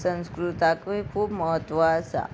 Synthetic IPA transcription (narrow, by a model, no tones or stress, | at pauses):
sə̃nskɾut̪akʋikʰuːbməɦət̪ʋəːsa̰